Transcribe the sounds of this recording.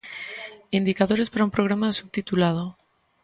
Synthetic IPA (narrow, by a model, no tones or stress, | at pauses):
ind̪ikaðo̞ɾe̞spaɾaumpɾo̞ɣ̞ɾamasub̚t̪it̪ulað̞o